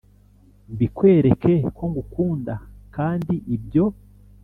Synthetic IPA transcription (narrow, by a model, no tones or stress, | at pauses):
mbikwe̞ːɾeke̞ko̞ŋɡukuːndakaːndiʔibɟo̞